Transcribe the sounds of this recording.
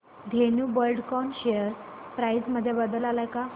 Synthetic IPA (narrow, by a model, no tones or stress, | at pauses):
d̪ʱenubəɾɖkɔnɕejəɾpɾajsməd̪ʱːjebəd̪əlalajka